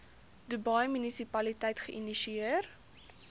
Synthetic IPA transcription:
dubɐjmynisipɐlitɛjtχəʔiniʃiiər

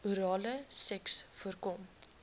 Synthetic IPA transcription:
uɾɑːləsɛksfuərkɔm

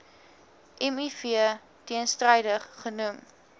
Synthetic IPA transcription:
ʔɛmifiə | tiənstrɐjdəχːənum

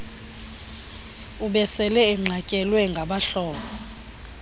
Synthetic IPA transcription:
uɓɛsɛlɛɛm̩ŋ͡ǀʱacʼɛlwɛŋɡʱaɓaɬɔːɓɔ

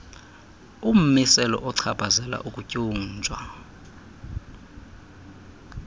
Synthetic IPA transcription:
um̩misɛlɔ̰ʔɔǀʰab̥ʱazɛla̰ʔukʼucʼuːnt͡ʃʼwa̰

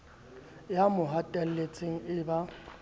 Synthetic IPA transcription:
jamʊɦatʼɛl̩let͡sʼeŋ̩ɪba

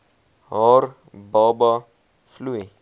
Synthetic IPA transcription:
ɔɾ | bɔba | flue

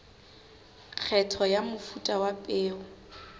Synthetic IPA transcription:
q͡χʰɛtʰɔjamʊfutʼawapʼɪːɔ

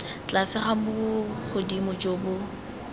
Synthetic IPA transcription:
t͡ɬasɪχamʊʊχʊdimʊd͡ʒoːbʊ

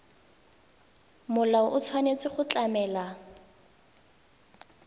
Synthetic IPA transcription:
mʊlaʊʔʊt͡sʰwanet͡sɪχʊt͡ɬamɛːla

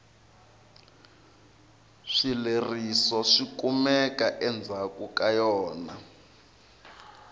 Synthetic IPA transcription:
ʂilerisɔʂikumɛkʼaʔɛnd͡zʱakukajɔːna

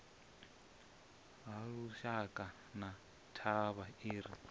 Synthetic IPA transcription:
ɦaɺuʃakʼa | na | tʰaβaiːɾi

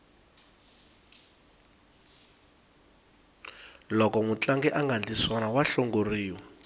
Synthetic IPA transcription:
lɔkɔŋut͡ɬaŋɡɛʔaŋɡand͡ɮiswanawaɬɔŋɡoriːwɔ

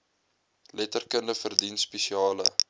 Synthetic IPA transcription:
lɛtərkəndəfərdinspesiɑːlə̰

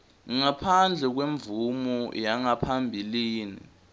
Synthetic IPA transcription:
ŋŋapʰand͡ɮʱɛk̬weɱvumɔjaŋapʰambʱiliːnḭ

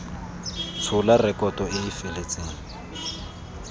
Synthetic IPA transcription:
t͡sʰʊlarɛkɔtɔɪːfelet͡sʼaːŋ̩

